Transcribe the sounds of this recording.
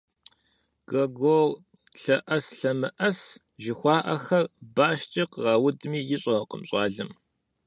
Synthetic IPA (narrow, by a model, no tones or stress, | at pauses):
ɡ̥ɐɡoːl | ɬɐʔɐsɬɐmɨʔɐs | ʒɪxʷɑːʔɐxɐrbaːʃt͡ʃʼiqʁɐwʊdmiːjɪɕʼɐqʼə̰mɕʼɑːɮɨm